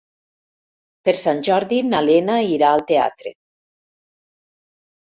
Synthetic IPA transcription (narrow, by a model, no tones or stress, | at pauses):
peɾsanʲʒɔɾðinalenaiɾaːlˠt̪ea̰t̪ɾḛ